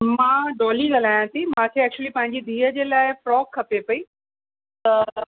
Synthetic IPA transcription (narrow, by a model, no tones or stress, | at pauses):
mãːɖɔːliɠɐlaːjãt̪ʰimãkʰeɛːk̚t͡ɕuəlipɐ̃ɦɪ̃ɲd͡ʑid̪ʱiːəd͡ʑeːlaːɪfɾɔːkʰːɐpepɐiː | t̪ɐ